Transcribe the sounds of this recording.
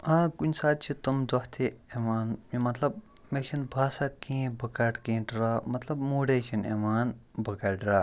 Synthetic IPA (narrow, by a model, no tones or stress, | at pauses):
ãkunʲsaːd̪̚t͡ʃʰit̪omdɐht̪ʰeemaːnjomɐt̪lɐb̚ | meksʰinbʱaːsakẽːbʱɐkaʈkẽːʈɾɐmɐt̪lɐbmuːɽet͡ʃʰinḛmaːnbʱɐkaʈɾa